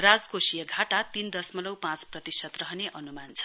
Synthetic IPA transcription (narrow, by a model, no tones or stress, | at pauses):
rad͡zkosijʌɡʱaʈat̪ind̪ʌsmʌlʌwpãt͡sprʌt̪isʌt̪rʌɦʌneʔʌnumant͡sʰʌ̥